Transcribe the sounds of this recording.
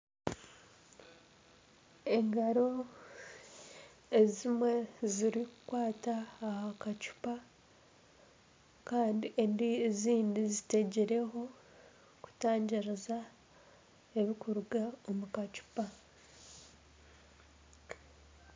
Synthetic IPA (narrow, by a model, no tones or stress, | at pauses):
e̞ŋɡaɾo̞ | ezimwe̞ziɾikukwaːtaːhakacu̥pa | kaːndiʔendieziːndizite̞ɟeɾe̞ɦo̞ | ku̥taːɲɟiɾeza | e̞βikuɾuɡaomukacu̥pa